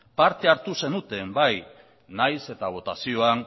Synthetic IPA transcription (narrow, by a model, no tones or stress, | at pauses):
paɾt̪e̞aɾt̪use̞nut̪e̞mbaj | najse̞t̪aβ̞o̞t̪asio̞an